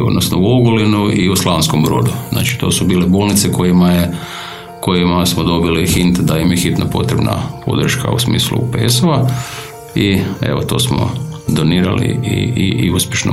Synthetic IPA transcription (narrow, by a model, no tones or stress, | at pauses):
o̞d̪nosnouoɡolinuiuslˠaʋnskombɾo̞ːd̪uzna̰ːt͡ʃi̥t̪o̞ːsubiːleboːlˠnit̪seko̞jimaje | ko̞jimasmod̪o̞bilixint̪d̪aimjexit̪napo̞t̪ɾebna̰pʰo̞̰d̪r̩ʃka̰usmḭːslṵpesoʋa | iḛʋot̪o̞ːsmo̰d̪oniːɾalḭiiiuspjeʃno